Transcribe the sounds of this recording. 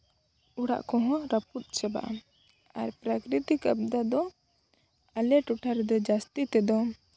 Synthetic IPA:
uɽa̰ʔkɔɦɔ̃ɾaput̪̚ˀt͡ʃɛba̰ʔa | aɾpɾakɾit̪ikəbd̪ad̪ɔ | alɛʈuʈʰaɾɛd̪ɔd͡ʒast̪it̪ɛd̪ɔ

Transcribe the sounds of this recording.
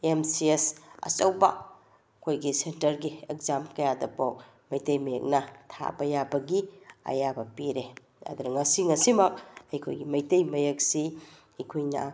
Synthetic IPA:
emsiesɐ̰t͡ʃɐwbɐ | kʰojɡisentɐɾɡiek̚zamkɐjadɐpawk̚ | mɐjtejmɐjek̚nɐtʰa̰bɐjabɐɡiɐ̰jabɐpiɾe | ɐ̰d̪unɐŋɐsiŋɐsimɐk̚ɐjkʰo̰jɡimɐjtɐjmɐjɐk̚si | ɐkʰojnɐ̰

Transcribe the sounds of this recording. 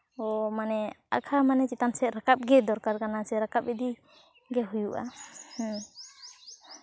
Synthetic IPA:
ɔmanɛa̰kʰamanɛt͡ʃit̪ansɛɾakap̚ɡɛd̪ɔɾkaɾkanasɛɾakap̚ɛd̪i | ɡɛɦujuʔa̰h

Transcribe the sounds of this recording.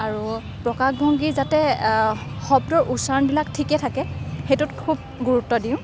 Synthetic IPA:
aɹu | pɹɔkaxbʱɔŋɡizatɛ | xɔb̚dɔɹʔusaɹnbilaktʰikɛtʰakɛxejtutkʰub̚ | ɡuɹutːɔdiʊ̃

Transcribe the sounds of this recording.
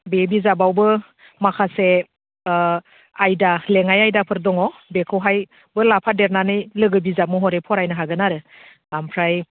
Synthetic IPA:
bebizabawbɯ | makʰase | ajdaleŋajajdapʰɯɾdɔŋɔbekʰɯwɦaj | bɯlapʰadeɾnanɯjlɯɡɯbizap̚mɔɦɔɾepʰɔɾajnɯɦaɡɯnaɾɯ | lampʰɾaj

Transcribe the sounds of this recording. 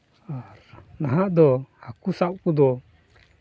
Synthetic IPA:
aɾnaɦaʔd̪ɔakusaʔkud̪ɔ

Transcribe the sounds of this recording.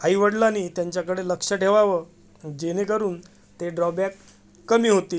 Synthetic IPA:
aiʋəɽlaniːt̪jaɲt͡ɕjakəɽeləkʂəʈʰeʋaʋə | d͡ʑenekəɾuːn | t̪eɖɾɔbakː | əmiːɦot̪iː

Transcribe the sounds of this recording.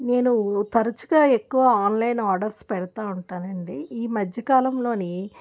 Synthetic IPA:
ne̞ːnut̪ɐɾɐt͡ʃuɡaːe̞kːuʋɐaːnlɐjnaːɾɖɐɾspɛɽɐt̪aːuɳʈaːnɐɳɖiiːmɐd͡ʒʱjɐkaːlɐmlo̞ːni

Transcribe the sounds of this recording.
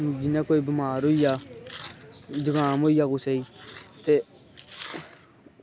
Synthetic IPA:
md͡ʒinekoibimaːɾuja | d͡ʒiɡãːmojakuseite

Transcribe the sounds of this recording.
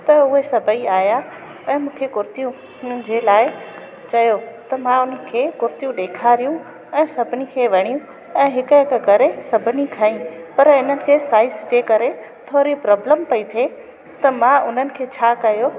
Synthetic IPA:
t̪ɐʊɦesɐbʱəiaːja | ɛ̃ːmũːkʰekʊɾt̪ijũ | d͡ʑelaːɪ | t͡ɕɐjot̪ɐmãʊn̤əkʰeːkʊɾt̪ijũɗeːkʰaːɾijũ | ɛ̃ːsɐbʱɪnikʰeːʋɐɽ̃ijũ | ɛ̃ːɦɪkəɪkkɐɾesɐbʱɪnikʰaːĩpɐɾɪn̤ənɪ̆kʰeːsaːɪsd͡ʑeːkɐɾe | t̪ʰoːɾipɾɔːbləmpɐit̪ʰe | t̪ɐmãʊn̤ənɪ̆kʰeːt͡ɕʰaːkɐjo

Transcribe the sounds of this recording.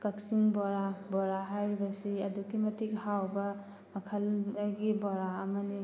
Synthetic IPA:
kak̚siŋbɔɾabɔɾaɦajɾibɐsiɐdukimɐtik̚hawbɐ | mɐkʰɐlɡibɔɾaɐmɐni

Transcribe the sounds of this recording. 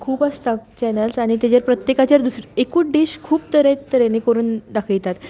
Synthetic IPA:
kʰuːpast̪at͡ɕɛnəlsaɽ̃it̪jad͡ʑaɾpɾət̪jekat͡ɕaɾd̪usɾekuːɖiɕkʰuːp̚t̪əɾẽt͡ɕt̪əɾenekəɾuːnd̪akʰəɭt̪at̪

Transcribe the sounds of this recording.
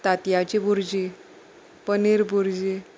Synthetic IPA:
t̪at̪jat͡ɕibuɾd͡ʑi | pəniɾbuɾd͡ʑi

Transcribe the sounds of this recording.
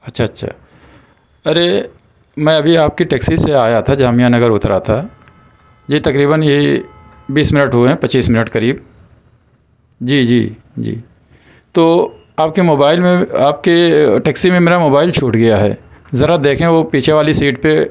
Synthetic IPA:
ɐtːʃʰaɐtːʃʰa̰ː | ɐɾe | mɛ̃ːɐbʱiaːp̚kiʈɛːksiseaːjat̪ʰad͡ʒaːmijãnɐɡəɾʊt̪ɾat̪ʰa | d͡ʒit̪ɐkɾiːβəne | biːsmɪnəʈɦʊeɦɛ̃pɐt͡ʃiːsmɪnəʈkɐɾiːb | d͡ʒiːd͡ʒḭː | d͡ʒḭː | t̪oː | aːp̚kemoːbaːɪlmẽaːp̚keʈɛːksimẽmeːɾamoːbaːɪlt͡ʃʰuːʈɡɐjaɦɛ̰ːzɐɾad̪eːkʰẽʋopiːt͡ʃʰeʋaːlisiːʈpe

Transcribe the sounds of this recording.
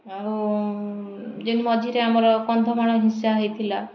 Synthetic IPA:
au | d͡ʒenimɔd͡ʒʱiɾeamɔɾɔkɔnd̪ʱɔmaɽ̃ɔɦĩsaɦejt̪ʰila

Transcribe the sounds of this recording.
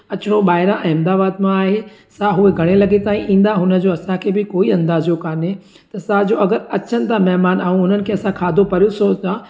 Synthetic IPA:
ɐt͡ɕʊɽoɓaːɦɪɾãʔɛ̃ːɪ̃md̪aːbaːd̪mãaːɦe | saɦʊeɡʱɐɽ̃elɐɡet̪aːĩʔĩːn̆d̪aɦʊnə̆d͡ʑoːɐsãkʰeːbɪkoːiɐ̃nd̪aːzjokaːne | t̪ɐsad͡ʑoːɐɡəɾɐt͡ɕʰənɪ̆t̪amɛɦmaːnaːɦũʊn̤ənɪ̆kʰeːɐsãkʰaːd̪ʱopɐɾjusosã

